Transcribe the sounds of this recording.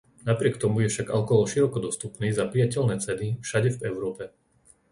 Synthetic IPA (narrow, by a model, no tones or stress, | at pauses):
napɾɪɛkt̪ɔmujɛfʃaɡalkɔɦɔʃiɾɔkɔd̪ɔst̪upniːzapɾijacɛlnɛːt͡sɛnifʃaɟɛvɛʊɾɔːpɛ